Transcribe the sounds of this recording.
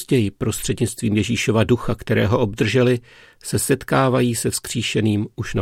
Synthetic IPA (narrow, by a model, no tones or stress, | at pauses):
zɟɛjɪpɾo̞st̪r̥ɛdɲɪt͡st̪viːmjɛʒiːʃo̞vaduxakt̪ɛɾɛ̰ːɦo̞ʔob̚d̪r̩ʒɛlɪ | sɛsɛt̪kaːvajiːsɛfskr̝̥iːʃɛniːmuʃna